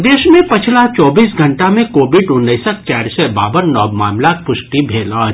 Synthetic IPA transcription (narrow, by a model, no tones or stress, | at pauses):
d̪eːʃmẽpɐt͡ʃʰlat͡ʃɔːbiːsɡʱɐ̃ɳʈamẽkoːbɪɖʊnːiːsək̚t͡ʃɛːɾsebaːbəɾnɔːbmaːmlak̚pʊʃʈibʱeːla